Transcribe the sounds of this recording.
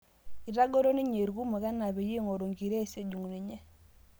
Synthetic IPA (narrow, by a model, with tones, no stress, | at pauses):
i˨ɾa˦ɡo˦ɾo˦ni˦ɲe˨ɾɡu˦ma˨ɡa˦na˨βe˨ji˦ŋo˨ɾo˨ŋɡi˨ɾe˦˨se˨ɟu˨ŋni˨ɲɛ˦